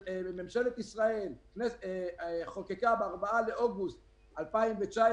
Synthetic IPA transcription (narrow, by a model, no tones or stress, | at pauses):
ememʃe̞let̪isʁae̞lknes | χokekabeaʁbaaleʔoɡust̪̚ | alpaimbet͡ʃae